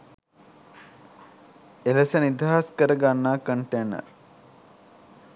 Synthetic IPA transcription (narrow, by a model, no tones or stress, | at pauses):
elɐsɐnid̪aɦaskəɾəɡanːaːkəɳʈeːnə̰ɾ